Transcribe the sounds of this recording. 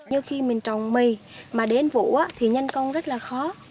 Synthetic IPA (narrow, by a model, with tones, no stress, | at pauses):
ɲɨ˧xi˧mï˨˩ŋ̟t͡ɕɔ˨˩wŋ͡mmi˨˩ | maː˨˩ɗe˨˦nvṵ˧˨ʔaː˨˦t̪ʰi˨˩ɲə˧jŋkə˧wŋ͡mzə˦˥t̚laː˨˩xɔ˨˦